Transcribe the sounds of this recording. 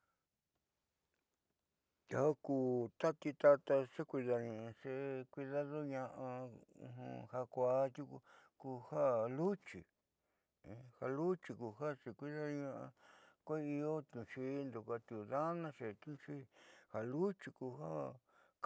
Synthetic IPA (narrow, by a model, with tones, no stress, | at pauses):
ha˦kuː˨˧˨t̪a˦t̪i˧t̪a˦t̪a˧ʂe˦kʷi˧ða˧ɲĩ˨ã˧ʂe˦kʷi˧ða˦ðo˦ɲã˧ʔã˧ṵ̃˧ɦṵ̃˧ha˧kʷa˧˦t̪u˦kku˧ha˦lu˦t͡ʃḭ̃˨˧ | ha˧lu˦t͡ʃi˧ku˧ɦa˦ʂe˧kʷi˦ða˦˧ɲã˦ʔa̰˧kʷe˦i˧o˦t̪ũ˧˨ʂi˦nd̪u˨ka˧t̪u˨ða˦nã˦ʂe˨t̪ũ˦˧ʂi˦ha˨lu˦t͡ʃi˧ku˧ɦa˦ | k